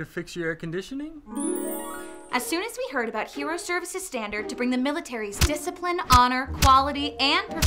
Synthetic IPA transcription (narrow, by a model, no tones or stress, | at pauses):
ɨfɪksjəɛɹkɨ̃n̩dɪʃɨnɪ̃ŋ | ʔɨz̥sʉ̃nɨzwihɜ˞ɾɨbaʊt̚hiɹoʊsɜ˞vɨsɨz̥stæ̃ndə˞d̚tʰɨbɹɪ̃ŋðɨmɪlˠətʰɛɹizdɪsɨpʰlɨ̃nɑnə˞kʰw̥ɑlˠəɾiɨ̃npʰə